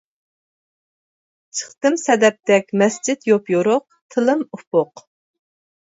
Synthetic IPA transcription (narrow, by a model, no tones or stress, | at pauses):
t͡ʃʰə̥χt̪ɨmsɛd̪ɛp̚t̪ɛkʲmɛsd͡ʒit̪jopjoɾʊq̚ | t̪ʰɨlˠɨmupʊq